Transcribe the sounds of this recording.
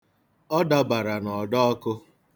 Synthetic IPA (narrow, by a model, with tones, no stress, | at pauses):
ɔ˦da˦ba˨ɾa˨nɔ˨dɔ˦ɔ˦kʊ˦